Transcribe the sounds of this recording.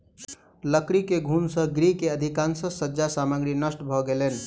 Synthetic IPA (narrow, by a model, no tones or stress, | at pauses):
ləkɾikeɡʱunsə̃ɡɾikeəd̪ʱikansəsəd͡ʒasaməɡɾinəsʈbʱɔɡelen